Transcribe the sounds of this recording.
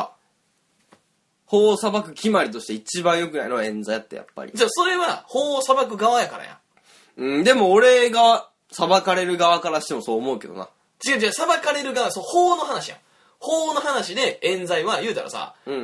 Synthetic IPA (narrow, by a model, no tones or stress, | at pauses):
hoːsabakɯ̟kʲimaɾʲit̪o̞ɕi̥t̪e̞it͡ɕibãɰ̃jo̞kɯnaĩnoẽ̞nd͡zajat̪ːe̞ja̰pːa̰ɾʲḭt͡ɕːaso̞ɾe̞βaho̞ːsabak̬ɯ̟ɡaβajakaɾa̰jã̰ | ɯ̃ːd̪e̞mo̞ːɾe̞ɡa | sabakaɾe̞ɾɯ̟ɡaβakaɾaɕi̥t̪e̞mo̞so̞ːmo̞ɯ̟ke̞d̪o̞̰na̰ | t͡ɕiɡad͡ʑasabakaɾe̞ɾɯ̟ɡaβasohoːno̞ɦanaɕijã̰ | hoːno̞hanaɕid̪e̞ẽ̞nd͡zaiβajɯ̟ːt̪a̰ɾʔa̰sa̰ɯ̟̃ɴ